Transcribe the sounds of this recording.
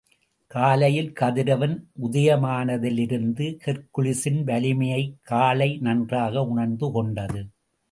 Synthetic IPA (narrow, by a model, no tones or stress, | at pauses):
kaːlɐjɪlkɐðɪɾɐʋɐnʔʊðɐjɐmaːnɐðɪlɪɾɯnd̪ɯkɛɾkʊɭɪsɪnʋɐlɪmɐjɐɪkʰːaːlɐɪnɐndraːɣɐʊɳɐɾnd̪ɯkɔɳɖɐðɯ